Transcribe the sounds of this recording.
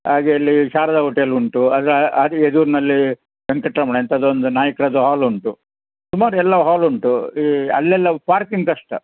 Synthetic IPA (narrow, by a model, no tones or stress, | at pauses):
haːɡeɐlːiʃaːɾɐd̪ɐɦoːʈeɐluɳʈuɐd̪ɐɾɐd̪ed̪uːɾnɐlːi | bɐŋkɐʈɾɐmɐɳeɐnt̪ɐd̪ond̪unaːjɐkɾɐːd̪uɦaːluɳʈu | sumaːɾuɛlːɐɦaːluɳʈuiɐ̰lːɛlːɐpaːɾkiŋɡkɐʂʈɐ